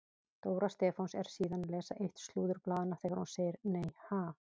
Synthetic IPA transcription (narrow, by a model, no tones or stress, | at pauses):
t̪oːwɾast̪ɛːfonsɛɾ̥siːðanlɛːsaʔejht̪st̪luːðʏɾplaːðɪnaθɛːɣaɾ̥hunseːjɪɾneːjhaː